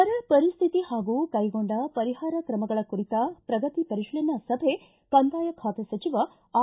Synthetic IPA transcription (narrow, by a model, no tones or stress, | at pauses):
ɐɾɐpɐɾist̪ʰit̪ihaːɡuːkɐjɡo̞ɳɖɐpɐɾiɦaːɾɐkɾɐmɐɡɐɭɐkuɾit̪ɐpɾɐɡɐt̪ipɐɾiʃɭenɐsɐbʱe | kɐnd̪aːjɐkʰaːt̪esɐt͡ʃiʋɐ | aː